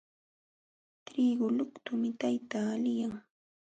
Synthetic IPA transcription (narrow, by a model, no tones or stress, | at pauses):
t̪ɾiːɡʊlʊkt̪ʊmɪt̪ajt̪aːlɪjaŋ